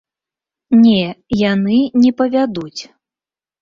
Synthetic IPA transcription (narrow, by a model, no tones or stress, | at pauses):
nʲɛjanɨnʲɛpɐvʲad̪ut͡sʲ